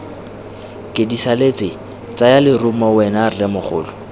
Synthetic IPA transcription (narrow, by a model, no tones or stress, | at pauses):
kʼedisalet͡sʼɪ | t͡sʼajalɪrʊmɔwɛnarlɛmʊχʊ̰ːlɔ